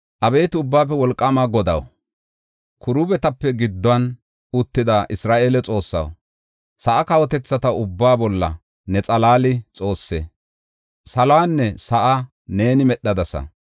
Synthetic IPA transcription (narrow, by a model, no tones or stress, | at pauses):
ʔɐbe̞ːt̪ɪʊbːaːp̬ːɛwɔlkʼːɐmaɡɔd̪ɐ̰w | kʰʊɾuːbɛt̪ɐpːɛɡɪd̪ːɔɐn | ʊt̪ːɪd̪aːʔɪsɾaːʔe̞ːlɛt͡sʼo̞ːsːɐ̰w | sɐʔɐkɐwɔt̪ɛt͡sːɐt̪ɐʊbːaːbɔlːɐ̰ | nɛt͡sʼɐlaːlɪt͡sʼo̞ːsːɛ | sɐlaːnːɛsɐʔɐ | ne̞ːnɪmɛɗːɐd̪ɐsɐ̰